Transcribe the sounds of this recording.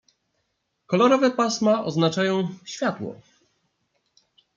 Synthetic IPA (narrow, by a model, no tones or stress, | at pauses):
kɔlɔɾɔvɛpasmaʔɔznat͡ʂajɔ̃w̃ɕfʲjat̪wɔ̰